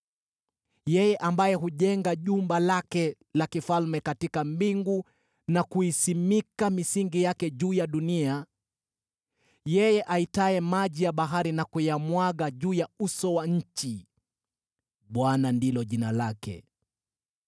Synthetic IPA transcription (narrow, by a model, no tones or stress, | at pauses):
jɛjɛʔambajɛɦuʄɛŋɡaʄumbalakɛ | lakifalmɛkatikambiŋɡu | nakuisimikamisiŋɡijakɛʄuːjaɗunia | jɛjɛʔaitaɛmaʄijaɓaɦaɾinakujamwaɠaʄuːjausɔwaɲ̩t͡ʃi | ɓwanandilɔʄinalakɛ̰